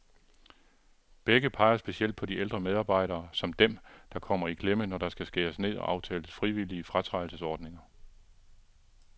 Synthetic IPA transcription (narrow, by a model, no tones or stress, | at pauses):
b̥eɡ̥əpʰɑ̈ɪɐsb̥e̝siel̰d̥̚pʰɒ̽dield̥ʁɐmeð̞ˠɑ̈ːb̥ɑ̈ɪ̰ɾɐːsɒ̽md̥emd̥ɑ̈kʰɒ̽m̰ɐikʰlemənɒɾ̥ɑ̈sɡ̥æsɡ̥e̝ːɐsne̝ð̰ˠɒ̽ʔɑ̈ʊt͡sʰɛ̰ːləsfʁiʋiliəfʁɑt͡sʰʁɑ̈ɪl̩səsɒːd̥ne̝ŋɐ